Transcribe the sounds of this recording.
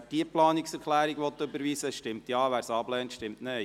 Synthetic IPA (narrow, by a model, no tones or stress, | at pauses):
d̥iəplɑːniksɛɾkʰlæːɾiɡʋɔt̪ːɵbəɾʋiːsəʃtɪmt̪jɑːʋæːɾsɑblɛːnt̪ʃtɪmtneː